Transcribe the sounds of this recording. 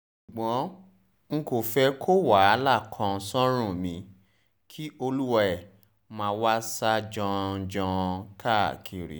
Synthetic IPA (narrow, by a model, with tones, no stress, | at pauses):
ʃu˨ɡ͡bɔ̃˨˦ | ŋ̩˧ko˨fɛ˧kʰo˦wa˨˦˨la˦˨kʰɔ̃˧sɔ̃˦ɾ̃ũ˦˨mĩ˧ | kʰi˦o˧lu˦wa˧ɛ˦˨ | mãː˧wa˦sa˦d͡ʒɔ̃˧d͡ʒɔ̃˧kʰa˦˨kʰi˨ɾḭ˨˦